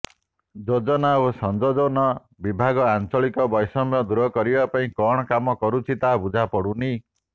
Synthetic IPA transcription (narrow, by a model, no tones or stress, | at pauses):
d͡ʒod͡ʒɔnaosɔnd͡ʒɔd͡ʒɔnɔ | bibʱaɡɔant͡ʃɔɭikɔbɔjsɔmjɔd̪uɾɔkɔɾibapaĩkɔɽ̃ɔkamɔkɔɾut͡ʃʰit̪abud͡ʒʱapɔɽuni